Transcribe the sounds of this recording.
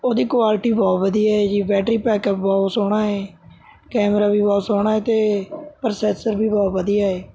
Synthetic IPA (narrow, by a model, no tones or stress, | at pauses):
oːd̪iːkʊaːlʈiːbɔːt̪bəd̪iːaːɦeːd͡ʒiːbɛːʈɾiːpɛːkəpbɔːsoːɽ̃aːɦeː | kɛːmɾaːbʱiːbaːsoːɽ̃aːɦeːt̪eːpəɾsɛːsəɾbʱiːbɔːt̪bəd̪ijaːɦeː